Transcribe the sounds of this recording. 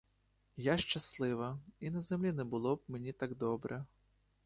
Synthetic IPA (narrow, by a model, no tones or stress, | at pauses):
jaʃt͡ʃaslˠɪʋɐinɐzʲɛmlʲinɛbɨlˠɔp̚mʲɛnʲit̪aɡd̪ɔbɾʔɐ